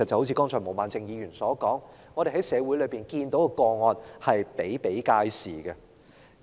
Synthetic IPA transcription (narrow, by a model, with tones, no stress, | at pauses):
ɐ˨t̚t͡sɐ˨who˨˥wt͡sʰi˨˧˥kɔː˥ŋt͡ʃʰɔː˨˩mo˨˩wmaː˨nt͡sɪ˧ŋjiː˨˧jyː˨˩nsɔː˨˥kɔː˨˥ŋ | ɔː˨˧ɾe˨˩hɦɐ˨˥jsɛː˨˧wu˨˥jlɵ˨˧jpiː˨˩nkiː˧nt̪o˨˥wkɛ˧kɔː˧ŋɔː˧nhɐ˨jpe˨˥jpe˨˥jkaː˧jsḭː˨˩ɡɐ˧